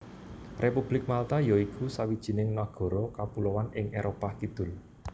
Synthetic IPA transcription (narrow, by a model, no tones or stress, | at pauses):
rʔepub̥lɪk̚malt̪ajɔikʰusawid̥ʒ̥i̤nɪŋnaɡ̥ɔ̤ɾɔkapulowanɪŋʔeɾʔopakid̪̥ʊ̤l